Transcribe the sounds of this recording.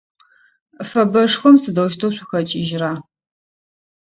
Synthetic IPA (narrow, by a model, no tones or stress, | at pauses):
fɐbɐʂxʷɔmsɨdɐwʃ̬tʰɐwɕʷʊxɐt͡ʃʼiʒraː